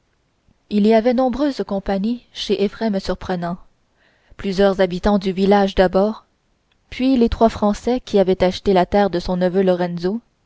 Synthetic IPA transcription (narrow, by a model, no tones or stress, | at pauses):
iliavɛnɔ̃bʁøːzkɔ̃paɲiʃeʔefʁɛmsyʁpχənɑ̃ | plyzjœʁzabit̪ɑ̃d̪yvilaʒd̪abɔːʁ | pɥilet̪χwafχɑ̃sɛkʲiavɛt̪aʃt̪elat̪ɛːʁd̪əsɔ̃nəvølɔʁɛ̃nzo